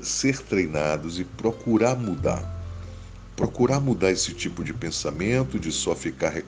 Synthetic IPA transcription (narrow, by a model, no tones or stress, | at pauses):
seɾt̪ɾejnad̪ʊzɪpɾokuɾaɾmud̪a̰ɾ | pɾokuɾaɾmud̪aɾesɪt͡ʃipʊd͡ʒɪpẽsamẽnt̪ʊd͡ʒɪsɔfikaɾɦe